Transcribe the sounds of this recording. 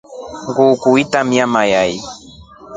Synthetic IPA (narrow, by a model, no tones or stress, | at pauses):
ŋɡukuitamiamajaj